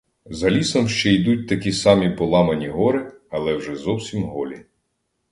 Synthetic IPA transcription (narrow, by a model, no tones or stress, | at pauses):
zɐlʲisɔmʃt͡ʃɛjd̪ut̚ʲt̪ɐkʲisɑmʲipɔlˠɑmɐnʲiɦɔɾɪɐlˠɛwʒɛzɔwsʲimɦɔlʲi